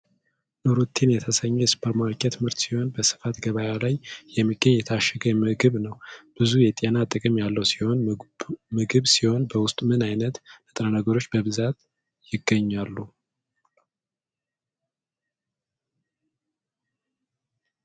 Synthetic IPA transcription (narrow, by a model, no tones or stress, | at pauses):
ʔɨɾut̪ʰːinjɛt̪ʰəsəɲːɛjɛsɨ̥pʰəɾmaɾkʰʼɛt̪ʰɨmɨɾt̪siho̞nbəsɨ̥fat̪ɡəβajalajjɛmːiɡːəɲːjɛt̪ʰaʃɛɡəmɨɡɨβnəwb̥ɨzujɛt̪ʼenat̪ʼɨkʼɨmjalːəwsi̥ho̞n | mɨɡɨβsiho̞nbəwʊst̪ʼmɨnajnət̪nɨt̪ʼɾənəɡəɾo̞t͡ʃːbəβɨzat̪ | jɪɡːəɲːalːu